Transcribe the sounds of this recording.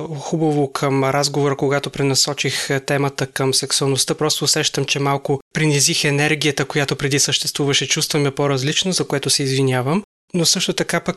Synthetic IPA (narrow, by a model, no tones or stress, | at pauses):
xubɐvokʰəmɾazɡovoɾəkoɡat̪opɾɛnɐsɔt͡ʃixt̪ɛmət̪əkəmsɛksʊɐlˠnost̪əpɾɔst̪oʊsɛʃt̪əmt͡ʃɛmalˠkʊpɾinizixɛnɛɾɡ̟ijət̪əkojat̪opɾɛd̪isəʃt̪ɛst̪vuvɐʃɛt͡ʃust̪vɐmɛpoɾɐzlit͡ʃnozɐkoɛt̪osɛizvinʲjavəm | nosɤʃt̪ot̪ɐkapək